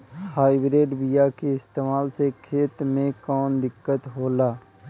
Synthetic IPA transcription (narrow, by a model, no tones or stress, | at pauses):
haːibɾeːɖbijakeɪst̪eːmaːlsekʰeːt̪mẽkɔːnd̪ɪkːət̪ɦoːlaː